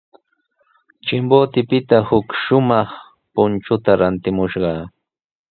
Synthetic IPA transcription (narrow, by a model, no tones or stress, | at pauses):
t͡ʃɪmboːt̪ɪpɪt̪ahʊkʃʊmɑχ | pʊnt͡ʃʊt̪aɾant̪ɪmʊʃɢɑː